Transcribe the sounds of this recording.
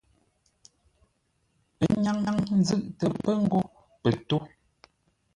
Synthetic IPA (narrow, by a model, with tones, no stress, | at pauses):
ə˨˦ɲa˦ŋa˦ŋn̩˦zɨ˦˨ʔtə˨pə˦ŋ̩˦ɡo˦ | pə˨to˦